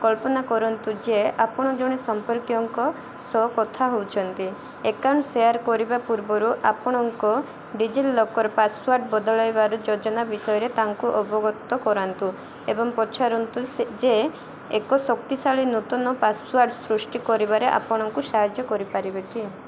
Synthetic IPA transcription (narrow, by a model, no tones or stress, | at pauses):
kɔlpɔnakɔɾɔnt̪ud͡ʒeʔapɔɽ̃ɔd͡ʒoɽ̃isɔmpɔɾkjɔŋkɔ | sɔɦkɔt̪ʰaɦowt͡ʃʰɔnt̪i | ekawɳʈsejaɾkɔɾibapuɾbɔɾuʔapɔɽ̃ɔŋkɔ | ɖid͡ʒilːɔkɔɾɔpaswaɾɖbɔd̪ɔɭɔjbaɾud͡ʒod͡ʒɔnabisɔjɔɾet̪aŋkuʔɔbɔɡɔt̪ːɔkɔɾant̪u | ebɔŋpɔt͡ʃʰaɾɔnt̪usd͡ʒe | ekɔsɔkt̪isaɭinut̪ɔnɔpaswaɾɖsɾusʈikɔɾibaɾeʔa̰pɔɽ̃ɔŋkusaɾd͡ʒjɔkɔɾipaɾibeki